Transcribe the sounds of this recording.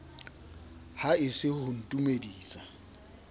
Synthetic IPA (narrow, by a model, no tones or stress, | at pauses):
haɪsɪhʊn̩tʼumediːsa